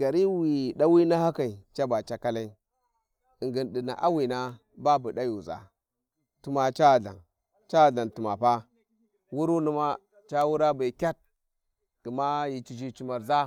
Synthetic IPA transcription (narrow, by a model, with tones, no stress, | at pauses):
ɡa˨ɾi˦wi˨ɗa˦wi˦na˦ha˦ka˨i˨t͡ʃa˦ba˨t͡ʃa˦ka˦la˦i˦ | i˨ŋɡi˨nɗi˨na̰˨ʔa˦wi˨na˦ | ba˦bu˨ɗa˦ju˨za̰˨ | tu˨ma˨t͡ʃa˦˨ɮa̰˨n | t͡ʃa˦˨ɮa˨ntu˨ma̰˨pa˦ | wu˦ɾu˦nu˦ma˦ | t͡ʃa˦wu˦ɾa˦ba˨kʲa˦t̚ | ti˨ma˦ji˨t͡ʃi˨d͡ʒi˦t͡ʃi˨ma˨ɾza˦